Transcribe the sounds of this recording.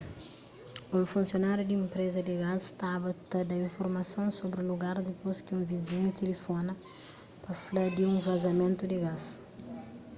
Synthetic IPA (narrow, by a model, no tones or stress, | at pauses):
ufũnsjonaɾjud̪ɪẽmpɾezɐd̪ɪɡast̪aβɐt̪ɐd̪ɐĩɱfoɾmɐsõw̃sobɾuluɡaɾd̪ɪposkɪũviziɲut̪elifonɐ | pɐflad̪iũvɐzɐmẽnt̪ud̪ɪɡas